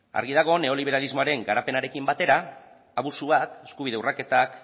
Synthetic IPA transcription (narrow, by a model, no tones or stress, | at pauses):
a̰ɾɣiðaɣ̞o̞ne̞o̞liβ̞e̞ɾalizmo̞aɾe̞ŋɡaɾape̞naɾe̞kimbat̪e̞ɾaː | βusuβat̪e̞skuβiðe̞urake̞t̪ak